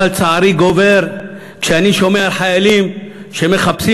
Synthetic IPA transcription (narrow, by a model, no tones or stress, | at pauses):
alt͡saʕaɾiɡove̞ɾ | kʃeaniʃo̞meaħajalim | ʃe̞me̞χapsi